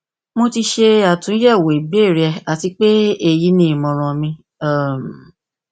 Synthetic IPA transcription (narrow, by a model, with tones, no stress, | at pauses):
mo˧ti˧ʃe˧a˨tũ˨˦jɛ˦˨wo˨i˨be˦˨ɾɛ˧a˨ti˧k͡pe˦e˦˨ji˨˦nĩ˦i˨mɔ̃˨ɾ̃ɔ̃˧mĩ˧ | a˦˨m˨